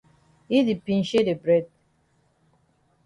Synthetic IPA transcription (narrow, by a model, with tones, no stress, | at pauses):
i˦di˨pĩ˨n̩ʃe˦de˨bɾɛ˦d̚